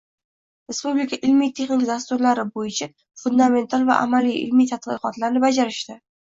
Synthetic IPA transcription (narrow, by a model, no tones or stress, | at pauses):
ɾe̞spublɪkʰaʔɪlmijt̪ʰe̞χnɪkʲd̪ast̪ʊɾlaɾɪbojɪt͡ʃʰa | fʊnd̪ame̞nt̪ʰalˠva̰ʔa̰malijʔɪ̰lmijt̪ʰat̪̚qɨqɒt̪laɾnɪbad͡ʒaɾɪʃt̪ɪ